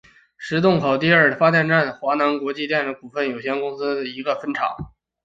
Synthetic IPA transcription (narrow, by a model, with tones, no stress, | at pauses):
ʂɻ̩˧˥t̪ʊ˥˩ŋxʰo˨˩ʊt̪̬i˥˧ɐ˞˥˩fa˥t̪jɛ˥˧nʈ͡ʂa˥˩nxwa˧˥na˧˥nkwɔ˧˥t͡ɕi˥˧t̪jɛ˥˩nə˥˩ku˨˩fə˥˩njo˨˩ʊɕjɛ˥nkʊ˥ŋsɹ̩˥d̪ə˨˩i˧˥ɡə˧fə˥nʈ͡ʂʰɑ̰˨˩˦ŋ